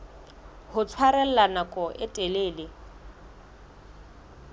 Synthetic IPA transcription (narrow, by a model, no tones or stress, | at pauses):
hʊt͡sʰwaɾɛl̩lanakʼɔʔɪtʼɛleːlɪ